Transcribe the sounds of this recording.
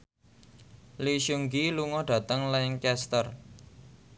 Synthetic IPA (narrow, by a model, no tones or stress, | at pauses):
liʃuŋɡiluŋɔɖ̥ä̤t̪əŋlaɪŋkɛst̪ər